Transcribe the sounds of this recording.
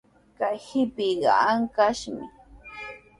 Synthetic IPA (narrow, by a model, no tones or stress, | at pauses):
kajhɪpɪɢɑ̰aŋkaʃmɪ̰